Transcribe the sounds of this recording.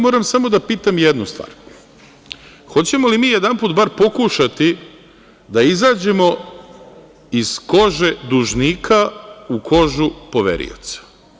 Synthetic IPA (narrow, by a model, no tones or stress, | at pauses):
mo̞ːɾamsamo̞d̪apiːt̪amjed̪nust̪ʋa̰ːɾ | xo̞t͡ɕe̞mo̞limiːjed̪anpuːt̪baɾpo̞kuʃat̪i | d̪aizaːd͡ʑe̞mo̞ | iz̥ko̞ʒe̞d̪uʒniːkʰaukʰo̞ʒupo̞ʋḛɾḭo̰t̪sḁ